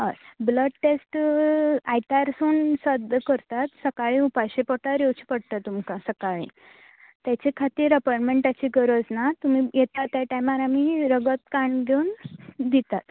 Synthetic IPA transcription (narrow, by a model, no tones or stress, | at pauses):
ɦasbləɖʈesʈ | ajt̪aɾsuːnsəd̪ʱəkəɾt̪at̪səkaɭĩupajɕepəʈaɾjewt͡ɕi̥pəɽt̪at̪ːumkãsəkaɭḭː | t̪jat͡ɕekʰat̪iːɾəpajʈmẽɳʈat͡ɕiːɡəɾəd͡znat̪um̤ijet̪at̪ːjaʈajmaɾamiɾəɡət̪kaɳɡʱeund̪it̪at̪